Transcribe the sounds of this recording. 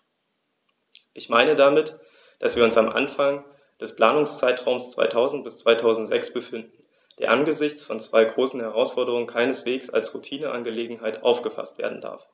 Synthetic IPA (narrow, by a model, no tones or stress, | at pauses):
ʔɪçmaɪnədamɪt | d̥asv̥iːɐʊnsamʔa̰nfaŋ | d̥ɛspl̥aːnʊŋst͡saɪtʁ̥aʊmst͡sv̥a̰ɪtʰaʊzn̩t̚b̥ɪst͡sv̥aɪtʰaʊzn̩tz̥ɛksb̥əfɪndn̩ | d̥eːɐʔanɡəzɪçt͡sfɔnt͡sv̥aɪɡʁoːsn̩hɛʁaʊsfɔɐdəʁ̞ʊŋənkʰaɪnəsv̥eːksa̰lsʁutʰiːnəʔanɡəleːɡŋ̩ɦaɪtʔa̰ʊfɡ̥əfa̰stv̥ḛːɐdn̩d̥a̰ɐf